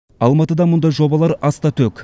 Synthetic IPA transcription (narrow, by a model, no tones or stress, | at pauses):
ɑlˠmɑt̪əd̪ɑmʊnd̪ɑjʒo̞bɑlˠɑɾɑst̪ɑt̪ʰɵkʲ